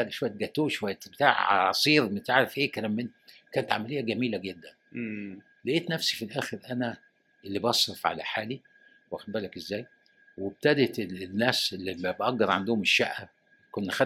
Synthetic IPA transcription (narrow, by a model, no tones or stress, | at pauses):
æɡʃowæjːt̪̚ɡæt̪ːuːʃwæjːæt̪bet̪a̰ːʕɑ̰sˤiːɾmet̪aʕɾefʔeːkælæmːen | kæːnet̪ʕamælejːæɡæmiːlæɡed̪ːæn | leʔeːt̪næfsi̥filʔæːxeɾʔænæ | elːibʔɑsˤɾefʕa̰læ̰ħaːli | wʔæxd̪̚bæːlækezːæːj | web̚t̪æd̪et̪nːæːselːimæbʔæɡːɑɾˤʕa̰nd̪ʊhomeʃːæʔːæ | konːæxæ